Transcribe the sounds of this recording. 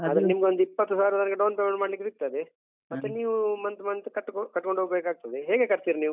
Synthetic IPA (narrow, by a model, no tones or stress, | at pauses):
ɐd̪ɐɾnimɐɡeond̪uipːɐt̪ːusaːɾut̪ɐnɐɡeɖɐːnpɾemeɳmaːɽlikːsik̚t̪ɐd̪e | mɐt̪ːeniːʋumɐnt̪mɐnt̪ukɐʈːkkɐʈːko̞ɳɖʱɦoːɡbeːkaːɡ̚t̪ɐd̪eɦeːɡe̞kɐɾt̪iːɾiniːʋu